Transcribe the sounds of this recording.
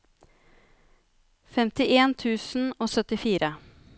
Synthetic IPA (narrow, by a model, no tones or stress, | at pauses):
fɛmt̪ɪʔeːnt̪ʰʉːsn̩oːsœt̪ɪfiːɾʔə